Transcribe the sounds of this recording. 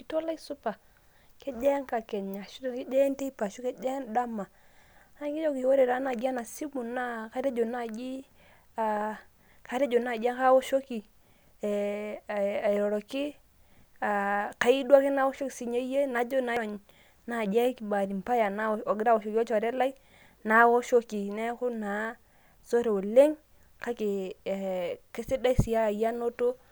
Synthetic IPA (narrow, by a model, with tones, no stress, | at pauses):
ki˨to˦la˦i˦su˦pa˨ | kɛ˦d͡ʒɛ˦ŋka˨kɛ˨ɲa˨ʃu˦dɛ˦˨kɛ˦d͡ʒɛ˦ntɛ˦i˦pa˨ʃu˦kɛ˦d͡ʒɛ˦nda˦ma˨˦na˦ki˦d͡ʒɔ˦ki˨wo˦ɾɛ˨ɾa˨˦na˨d͡ʒa˦na˨si˦mu˨na˦ka˦ɾe˦d͡ʒo˨na˦˨d͡ʒi˦ | a˨ | ka˨˦ɾe˦d͡ʒo˨na˦˨d͡ʒa˦ŋka˦wɔ˦ʃo˦ki˨ | a˨ɾɔ˨ɾɔ˨ki˦ | a˨ka˨˦i˦dwa˦kɪ˦na˦wo˦ʃo˦ki˨si˨ɲe˦je˦na˨˦d͡ʒo˦na˨˦˨ɲ | na˨d͡ʒa˦ki˨ba˨ɾi˨m˨pa˦ja˨na˦˨ɔ˨ɡɪ˦ɾa˦wo˨ʃo˨ki˨˦ɔ˦t͡ʃɔ˨ɾɛ˦la˦i˦ | na˨˦wo˦ʃo˦ki˨nɛ˦kʊ˦na˨˦ | so˦ɾe˨o˨le˦ŋ | ka˦kɪ˨ | ke˦sɪ˦da˦i˦si˨ja˦a˨ja˦no˦to˦